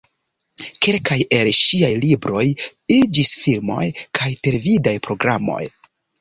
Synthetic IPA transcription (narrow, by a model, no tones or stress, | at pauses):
ke̞lkaje̞lʃiajlibɾo̞jid͡ʒisfilmo̞̰jkʰajte̞levidajpɾo̞ɡɾamo̞̰j